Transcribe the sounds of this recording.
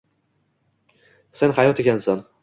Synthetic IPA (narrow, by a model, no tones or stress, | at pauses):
senhajɒt̪ekʲansan